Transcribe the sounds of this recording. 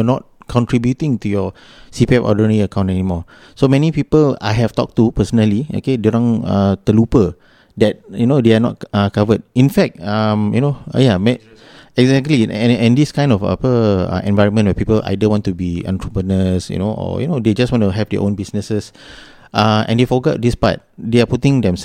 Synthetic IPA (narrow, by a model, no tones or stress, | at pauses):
jɔnɔt̚kʰɔ̃ntɹibjutĩŋtujɔ | sipiɛpɔ̰dənəɹiəkãw̃ntɛnimɔ | somɛnipipəla̰jɦɛvtɔ̰k̚tupəsənəlio̰keduɹɔ̃ŋa̰t̪əlupə | dɛt̚junodeanɔ̰t̚akavəd̚ĩnfɛk̚tamjunojamɛ | ɛɡzɛk̚tliɛ̃ɛ̃ndiskãj̃ndɔfa̰pəa̰ʔɛ̰̃nvaɪɹə̃nmə̃nwɛpipəlʔa̰jdəwɔ̃ntubiã̰ntɹəpɹənəsjṵnoʔɔ̰jṵnoded͡ʒastwɔ̃ntuɦɛvdɛ̰ʔõnbisnəsəs | ʔaɛ̰̃ndefɔɡɔ̰t̚dispa̰t̚deaputĩŋdɛ̃ms